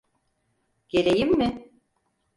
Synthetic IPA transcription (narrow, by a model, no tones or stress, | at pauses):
ɟ̥e̞ɾejimːɪ